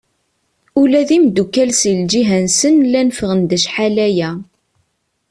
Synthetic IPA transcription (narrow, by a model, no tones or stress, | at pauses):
ulæðimd̪ukælsild͡ʒiɦænsənlænfəʁənd̪æʃħalæjæ